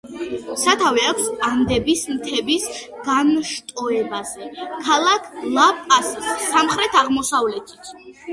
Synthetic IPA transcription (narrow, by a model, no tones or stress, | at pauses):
sat̪ʰavɛakʰʷsamd̪ɛbismt̪ʰɛbis | ɡ̥anʃt̪ʼɔɛbazɛkʰalˠakʰlˠapʼassːamχɾɛt̪ʰaʁmɔsavlɛt̪ʰi̥t̪ʰ